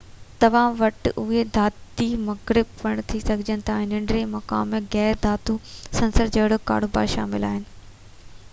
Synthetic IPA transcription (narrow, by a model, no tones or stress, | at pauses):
t̪ɐʋ̤ãʋɐʈʊɦed̪ʱaːt̪imɐɣɾɪbʋɐɽ̃t̪ʰisɐɡʱɪd͡ʑənɪ̆t̪ʰãːẽːnɐ̃ɳɖɾemɐka̰ːmːẽɣɛːɾd̪ʱaːt̪usɐ̃nsəɾd͡ʑɐɦɽoka̰ːɽ̤oːba̰ːʃa̰ːmɪla̰ːɦɪnɪ̆